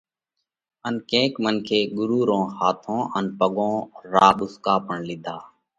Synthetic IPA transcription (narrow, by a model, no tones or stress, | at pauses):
ənkẽːkmənkʰeːɠʊɾuːɾõːhaːt̪ʰõːʔənpəɠõːɾaːɓʊskaːpəɳlɪd̪ʱaː